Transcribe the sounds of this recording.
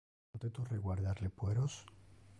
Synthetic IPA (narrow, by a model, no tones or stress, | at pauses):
ot̪et̪ureɣwaɾðaɾlepweɾos